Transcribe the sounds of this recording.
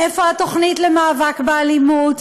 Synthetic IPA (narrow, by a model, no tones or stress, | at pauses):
ɛfoatoχnitləmaːvakbəalimut